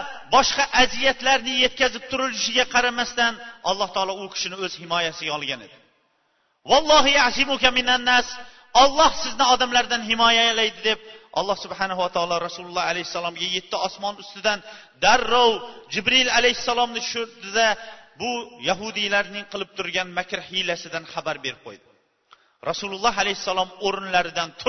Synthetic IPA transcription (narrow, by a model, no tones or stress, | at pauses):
bɒʃqɑʔazijat̪laɾnɪje̞t̪̚kʲazɪp̚t̪ʰʊɾɪlɪʃɪɡʲaqʰɑɾamast̪anɒ̰lˠːɑht̪ʰɑːlˠɒʊkʲʰɪ̥ʃɪnɪɵz̥hɪmɒjasɪɡʲaɒlˠɡʲane̞d̪̥ɪ | wɑlˠːɑɦɪʕazimukʲamɪnanːas | ɒlˠːɒhsɪznɪɒd̪amlaɾd̪anɦɪmɒjajalajd̪ɪd̪e̞p̚ʔɒlˠːɑhsʊbħanaɦuwat̪ʰɒlˠɑɾasulʊlˠːɑhalajhɪsːalˠɒmɡʲaje̞t̪ʰːɪɒsmɒnʊst̪ɪd̪an | d̪aɾːowd͡ʒɪbɾɪlalajhɪsːalˠɒmnɪʊʃʊɾd̪ɪd̪abʊjaɦʊd̪ilaɾnɪŋqʰɨlˠɪp̚t̪ʰʊɾɡʲanmakʲʰɾhɪlasɪd̪anχabaɾbe̞ɾɪp̚qʰo̰jd̪ɪ | ɾasulʊlˠːɑɦalajhɪsːalˠɒmoɾɪnlaɾɪd̪ant̪ʰ